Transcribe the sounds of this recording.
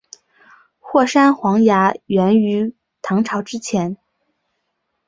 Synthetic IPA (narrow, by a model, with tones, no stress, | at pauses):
xwɔ˥˩ʂa˥nxwɑ˧˥ŋja˧˥ɥɛ˧˥ny˧˥ | t̪ʰɑ˧˥ŋʈ͡ʂʰɑ˧˥ʊʈ͡ʂɻ̩˥t͡ɕʰjɛ˧˥n